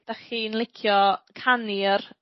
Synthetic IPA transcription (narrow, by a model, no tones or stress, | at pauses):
d̥aχiːnlˠɪkʰjɔkʰanir